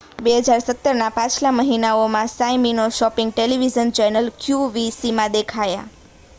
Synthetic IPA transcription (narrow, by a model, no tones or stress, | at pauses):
beɦəd͡ʒaɾsət̪ːəɾnapãt͡ʃʰlaməɦinaomãsajminoʃɔpɪŋɡ̚ʈeliʋizənt͡ʃɛnəlkʰjuʋisimãd̪ekʰaja̰